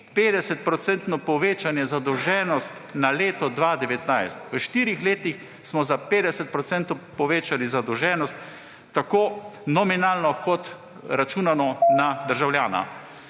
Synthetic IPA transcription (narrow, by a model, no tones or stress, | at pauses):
peːd̪ɛsɛt̪̚pɾɔt̪sɛnt̪nɔpɔʋeːt͡ʃanjɛzad̪ɔwʒɛːnɔst̪naleːt̪ɔd̪ʋaːd̪ɛʋɛt̪najst̪ʋəʃt̪iːɾixleːt̪ix | smɔzapeːd̪ɛsɛt̪̚pɾɔt̪sɛnt̪opɔʋeːt͡ʃalizad̪ɔwʒɛːnɔst̪ː | akoːnɔminalnɔkɔt̪ | ɾat͡ʃuːnanɔnad̪əɾʒawljaːna̰